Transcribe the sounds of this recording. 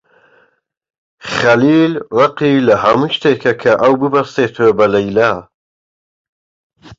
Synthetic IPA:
χɐliːlrɑqiːlɐhɐmuʃt̪eːkʰɐkʰɐʔɐwbɨbɐɾseːt̪ʰebɐlɐjlaː

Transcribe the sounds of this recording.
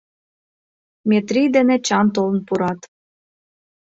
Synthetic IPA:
mʲet̪rijd̪enet͡ɕɑnt̪̬olə̆npuɾɑt̪

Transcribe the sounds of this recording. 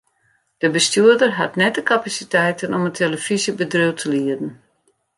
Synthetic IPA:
d̥əbəstyədərɦatnɛt̚dəkapasitɛjtənɔmətʰeləfizjəbədrøwtʰəliədn̩

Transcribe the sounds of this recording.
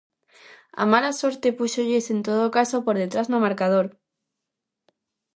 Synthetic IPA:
a̰malaso̞ɾt̪e̞pusoʎese̞nt̪oð̞okasopoɾðe̞t̪ɾaznomaɾkað̞oɾ

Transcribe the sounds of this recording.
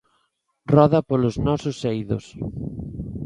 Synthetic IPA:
rɔðɐpoloznɔsʊsejðo̰s

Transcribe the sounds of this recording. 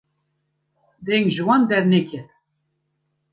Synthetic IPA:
d̪ɛŋʒɨwɑnd̪ɛɾnekɛt̪

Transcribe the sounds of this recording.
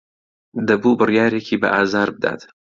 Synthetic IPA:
d̪ɐbuːbɨrjaːɾeːkʰiːbɐʔaːzaːɾbɨd̪a̰ːt̪

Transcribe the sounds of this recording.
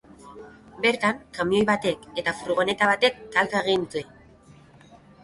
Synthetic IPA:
be̞ɾt̪aŋkamio̞jβat̪e̞ke̞t̪afɾuɣ̞o̞ne̞t̪aβat̪e̞kːalkaeɣ̞int͡s̪ue̞

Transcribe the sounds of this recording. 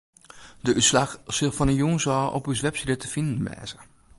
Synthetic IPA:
dəʔyslaxsɪlˠfɔnənjuːŋsɔʔɔ̰pysʋɛpsidətəfindn̩ʋɛ̰ːzə

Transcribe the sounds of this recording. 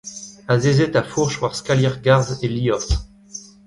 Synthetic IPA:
azezɛt̪afuʁʃvwaʁskaljɛʁɡaʁzeliɔt̪

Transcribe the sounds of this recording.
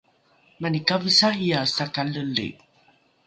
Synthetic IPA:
manikavisaiasakaləlḭ

